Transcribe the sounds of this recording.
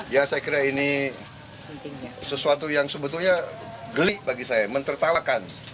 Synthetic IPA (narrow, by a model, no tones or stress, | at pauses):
jasajakiɾaini | səsuat̪ujaŋsəbət̪ulɲa | ɡəliʔbaɡisajamənt̪ərt̪awakan